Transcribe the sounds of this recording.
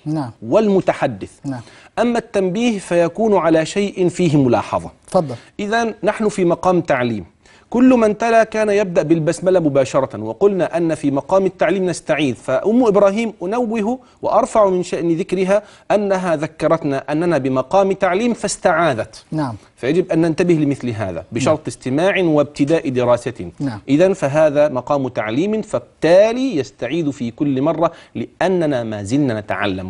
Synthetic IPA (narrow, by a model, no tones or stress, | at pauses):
nwɪlmʊt̪aħad̪ːɪθ | ʔamːat̪ːambiːhfajakuːnʕalaːʃajʔɪnfiːɦmʊlɑ̰ːħɑ̰ðˤɑ̰ | fɑd̪ˤːʔɪðanːaħnʊfiːmɑqɑːmt̪aʕlḭːm | kʊlːmant̪alaːkaːnajab̚d̪aʔbɪlbasmalamʊbaːʃɑɾˤɑwɪqʊlnaʔanːafiːmɑqɑːmɪt̪ːaʕliːmnast̪aʕiːd̪faʔʊmːʊʔɪbɾaːɦiːmʔʊnawːɪɦu | wɪ̰ʔɑɾˤfaʕmɪnʃaʔnɪðɪkɾɪɦa | ʔanːaɦaðakːɑɾˤɑt̪naʔanːanabɪmɑqɑːmɪt̪aʕliːmfast̪aʕaːd̪at̪ | fajad͡ʒɪbʔanːant̪abɪhlɪmɪθlɪɦa̰ːða̰bɪʃɑɾˤt̪ˤɪst̪ɪmaːʕɪwɪb̚t̪ɪd̪aːʔd̪ɪɾaːsat̪ɪʔɪðanfaɦaːðaːmɑqɑːmt̪aʕliːmfab̚t̪aːliːjast̪aʕiːd̪fiːkʊlːmɑrˤːɑlɪʔanːanamaːzɪlnanat̪a̰ʕa̰lːa̰m